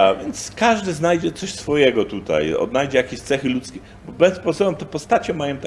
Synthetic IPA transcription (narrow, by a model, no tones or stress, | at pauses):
avʲjɛnt̪skaʐd̪ɘznajd͡ʑɛt̪sɔɕsfɔjɛɡɔt̪ut̪a̰jɔ̰d̪najd͡ʑɛjakʲeɕt̪sɛxɘlut̪skʲɛ | bɔbɛspɔsɔbɛmt̪ɔpɔst̪at͡ɕɛmajɔ̃t̪